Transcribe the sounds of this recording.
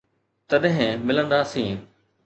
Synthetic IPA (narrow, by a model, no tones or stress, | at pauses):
t̪ɐɗɦɪ̃mɪlə̃nd̪aːsĩː